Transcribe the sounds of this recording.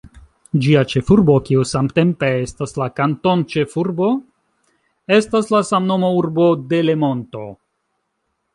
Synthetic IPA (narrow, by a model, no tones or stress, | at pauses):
d͡ʒiat͡ʃe̞fuɾbo̞kiusamte̞mpe̞estaslakanto̞nt͡ʃe̞fuɾbo̞ | e̞staslasamno̞mouɾbo̞de̞le̞mo̞nto̞